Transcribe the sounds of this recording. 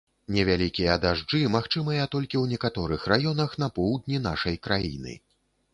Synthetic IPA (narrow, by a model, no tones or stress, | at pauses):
nʲɛvʲalʲikʲijɐd̪aʐd͡ʐɨmaxt͡ʂɨmɐjɐt̪ɔlʲkʲiwnʲɛkat̪ɔɾɨxrajɔnɐxnɐpɔwd̪ʲnʲina̰ʂɐjkɾajḭnɨ̰